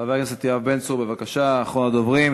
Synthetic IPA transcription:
avekset̪iavbensuʁbe̞vakaʃaːχonad̪ovʁim

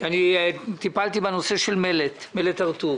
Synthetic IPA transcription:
anit̪ipalt̪ibeno̞se̞ʃelmelet̪melet̪aʁt̪u

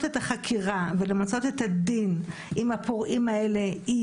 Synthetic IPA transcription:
tet̪aχakʰiʁavelemat͡so̞t̪et̪hadinʔimhapoʁʔimae̞le̞i

